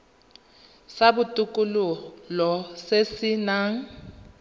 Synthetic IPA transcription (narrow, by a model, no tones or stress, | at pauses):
sabutʼukʼululɔsesinaŋ̩